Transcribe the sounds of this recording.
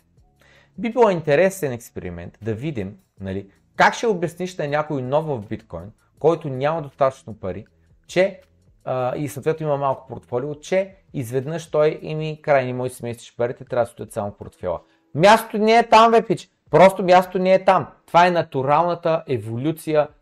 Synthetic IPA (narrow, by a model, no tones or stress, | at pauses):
bibilˠɔint̪ɛɾɛsɛnɛkspɛɾḭmɛ̰nt̪d̪ɐvid̪im | nɐli | kakʃɛʊbɐsniʃnɐnʲakoinɔvːəvbit̪kɔ̰jn | kɔjt̪ʊnʲamɐd̪ost̪at̪ə̥t͡ʃnopɐɾi | t͡ʃɛ | əisot̪vɛt̪nimɐmalˠkʊ̥poɾt̪fɔliot͡ʃɛ | izvɛd̪nəʃt̪ɔjɛmikɾajnimɔjisɛmɛsi̥ʃpɐɾit̪ɛt̪ɾʲavd̪sd̪ət̪samʊpo̰ɾt̪fɛ̰lˠə̰ | mʲjast̪o̥t̪onɛːt̪amvɛpit͡ʃ | pɾɔst̪omʲjast̪o̥t̪onɛːt̪amt̪ovaɛnɐt̪uɾalˠnɐt̪əʔɛvolʲut̪sijə